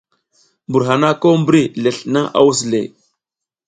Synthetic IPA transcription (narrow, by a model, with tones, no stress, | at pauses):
bu˨ɾɦa˨na˦ko˦mbɾi˦le˨ɬna˦ŋa̰˦wu˦s̬lḛ˨